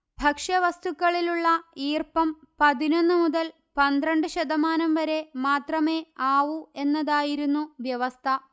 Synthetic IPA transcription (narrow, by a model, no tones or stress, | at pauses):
bʱɐkʂɐʋɐst̪ukːɐɭiluɭːɐiːrpɐm | pɐðino̞nːɨmuðɐl | pɐnd̪rɐɳɖɨɕɐd̪ɐmaːnɐmʋɐɾe̞maːt̪rɐme̞aːʋue̞nːɐðaːjiɾunːuʋjɐʋɐst̪ʰɐ